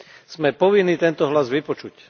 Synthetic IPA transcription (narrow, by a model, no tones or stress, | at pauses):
z̥mɛpɔʋinːiːt̪ɛnt̪ɔɦlazʋipɔt͡ʃuc